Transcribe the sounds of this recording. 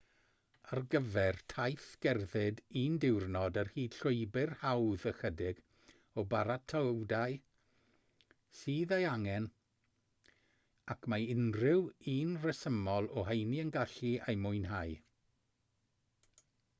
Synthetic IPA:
arɡəvɛrtʰajθɡ̥ɛrðɪdiːndɪwrnɔdərhiːd̥ɬʊɨbɪrhawðəxədɪɡ | ɔbaɾatʰəwdaj | siːðejaŋɛn | akʰmaɪnrɪwiːnrəsəmɔlˠɔɦejniənɡaɬiajmʊjnɦaj

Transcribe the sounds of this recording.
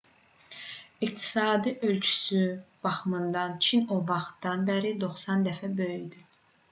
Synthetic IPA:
iqt̪ʰi̥sɑːd̪iʔø̞lt͡ʃʰy̥syb̥ɑxɯmɯnd̪ɑnt͡ʃʰinovɑχt̪d̪ɑnbæɾid̪oχsɑnd̪æfæbøjyd̪y

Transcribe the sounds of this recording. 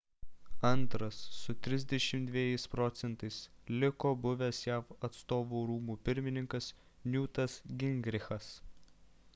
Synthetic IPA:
ɐnt̪ɾɐsːʊt̪ʲɾʲɪzʲd̪ʲɛʃʲɪmt̪d̪ʲʋʲiɛjɛɪspɾɔt̪sʲɛnt̪ɐɪslʲɪkoːbʊʋʲɛsjæːfɐt̪st̪oːʋuːɾuːmuːpʲɪɾʲmʲɪnʲɪŋkɐs | nʲuːt̪ɐsɡʲɪŋʲɡɾʲɪxɐs

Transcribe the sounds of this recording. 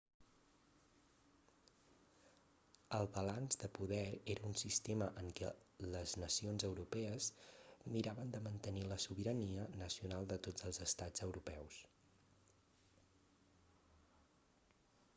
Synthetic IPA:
əlˠβəlanzd̪əpuðɛɾeɾəunsist̪eməʔəŋkɛ̰ləznəsionzəwɾupɛəzmiɾaβənd̪əmənt̪əniləsuβiɾəniənəsiunalˠd̪ət̪od͡zəlˠzəst̪ad͡zəwɾupɛws

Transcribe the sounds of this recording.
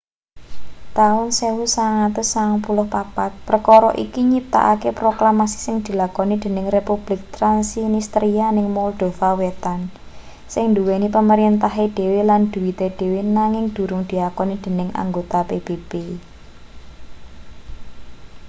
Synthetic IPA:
t̪aʊnsewusaŋat̪ʊsːapulʊhpapat̪̚pɾəkɔɾɔʔikiɲip̚t̪a̰ʔa̰kepɾoklamasi̥sɪŋd̪̥i̤lakɔnid̪̥e̤nɪŋrepub̥lɪk̚t̪ɾansinist̪ɾianɪŋmɔld̪̥o̤fawet̪an | sɪŋnd̪uwenipəməɾint̪aɦed̪̥e̤weland̪̥uwit̪ed̪̥e̤wenaŋɪŋd̪̥ṳɾʊŋd̪̥i̤lakɔnid̪̥e̤nɪŋʔa̰ŋɡot̪apeb̥eb̥e

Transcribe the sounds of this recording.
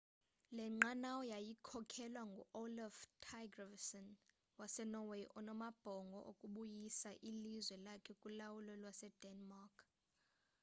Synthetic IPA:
lɛŋ͡ǃanawɔjajikʰɔkʰɛlwaŋɡʱṵʔolaftʰajɡravsɔn | wasɛnɔwejʔɔnɔmab̥ʱɔŋɡʱɔ̰ʔokʼuɓujisaʔilizwɛlakʰɛkʼulawulɔlwasɛd̥ɛnmakʰ

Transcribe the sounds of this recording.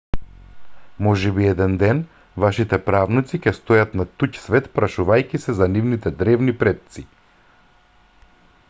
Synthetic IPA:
mɔʒɛbiɛd̪ɛnd̪ɛn | vaʃit̪ɛpɾavnit̪sicɛst̪ojat̪nat̪ucsvɛt̪pɾaʃuvajkisɛzanivnit̪ɛd̪ɾɛvnipɾɛt̪̚t̪si

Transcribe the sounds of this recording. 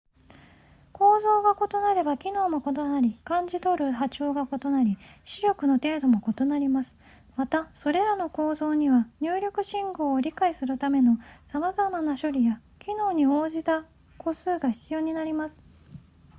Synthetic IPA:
ko̞ːzo̞ːɡako̞t̪o̞naɾe̞bakʲino̞ːmo̞ko̞t̪o̞naɾʲikãɲ̟d͡ʑit̪o̞ɾɯ̟ɦat͡ɕo̞ːɡako̞t̪o̞naɾʲiɕiɾʲo̞kɯ̟no̞t̪e̞ːd̪o̞mo̞ko̞t̪o̞naɾʲimasɨ̥ | mat̪aso̞ɾe̞ɾano̞ko̞ːzo̞ːɲ̟iβaɲ̟ɨːɾʲo̞kɯ̟ɕĩŋɡo̞ːɾʲikaisɨɾɯ̟t̪ame̞no̞samazamanaɕoɾʲija | kʲino̞ːɲ̟io̞ːʑit̪a | ko̞sɨːɡaçʲi̥t͡sɨjo̞ːɲ̟inaɾʲimasɨ̥

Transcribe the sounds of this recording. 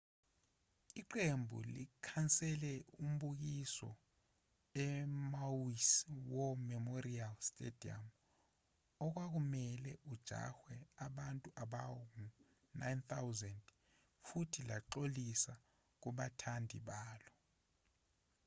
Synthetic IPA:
iǃembʱṵlikʰant͡sʼɛlɛum̩ɓuk̬isɔ̰ | ɛmawiswɔmɛmorialstʼḛd̥ʱia̰m | ɔk̬wak̬umɛlɛʔud̥ʒ̥ʱa̰xwɛaɓantʼuʔaɓawɔku | najnθawzɛnd | futʰilaǃolisa | k̬uɓatʰandʱḭɓaːlɔ

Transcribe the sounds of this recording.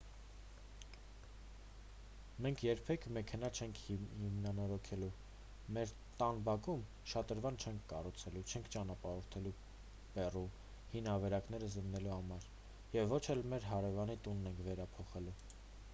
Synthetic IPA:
mɛŋkʰjɛɾpʰɛkʰmɛkʰɛn̪ɑt͡ʃʰɛŋkʰhimnɑnɔɾɔkʰɛlu | mɛɾ | t̪ɑnbɑkum | ʃɑt̪əɾvɑnt͡ʃʰɛŋkʰkɑrut͡sʰɛlut͡ʃʰɛŋkʰt͡ʃɑnɑpɑɾɔɾt̪ʰɛlu | bɛru | hinɑvɛɾɑkn̪ɛɾəzənːɛluhɑmɑɾ | jɛvːɔt͡ʃʰɛlmɛɾɦɑɾɛvɑnit̪unːɛŋkʰvɛɾɑpʰɔχɛlu

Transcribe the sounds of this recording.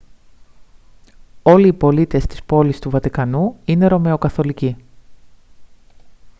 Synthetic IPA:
o̞liːpo̞lit̪e̞st̪i̥spo̞list̪uvɐt̪ikɐnuine̞ɾo̞me̞o̞kɐθo̞lici

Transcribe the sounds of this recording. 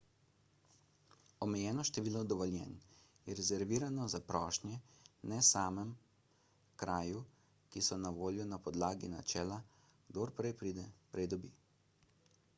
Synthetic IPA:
ɔmɛjɛːnɔʃt̪ɛʋiːlɔd̪ɔʋɔljɛ̰n | jɛɾɛzɛɾʋiːɾanɔzapɾɔːʃnjɛnɛsaːmɛm | kɾaːju | kisɔnaʋoːljɔnapɔd̪laːɡina̰t͡ʃɛːla | ɡd̪oɾpɾɛjpɾid̪ɛpɾɛjd̪ɔbḭ

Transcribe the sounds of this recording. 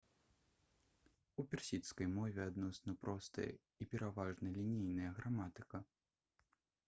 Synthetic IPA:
upʲɛrsʲit̪skɐjmɔvʲɛad̪nɔsnɐpɾɔst̪ɐ̰jɐ̰ | ipʲɛɾavaʐnɐlʲinʲijnɐjɐɣɾamat̪ɨ̥kɐ

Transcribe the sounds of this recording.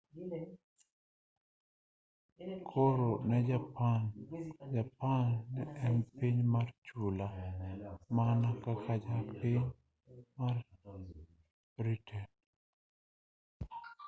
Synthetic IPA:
kʰoɾonɛd͡ʒapand͡ʒapanːɛɛnpiɲmart͡ʃula | manakakʰad͡ʒapiɲ | mar | bɾitʰɛn

